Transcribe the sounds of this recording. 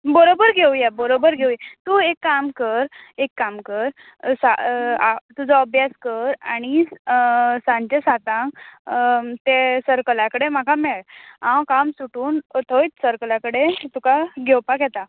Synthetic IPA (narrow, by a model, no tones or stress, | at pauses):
bəɾobəɾɡʱewjɛbəɾobəɾɡʱewjɛt̪uekːamkəɾekːamkəɾ | saat̪ud͡zɔəbʱjaskəɾa̰ɽ̃i | sãɲt͡ɕesat̪ãŋk | t̪esəɾkəlakəɽem̤akʰameɭãwkamsuʈuːnt̪ʰojt̪səɾkəlakəɽet̪ukaɡʱɛwpakjɛt̪a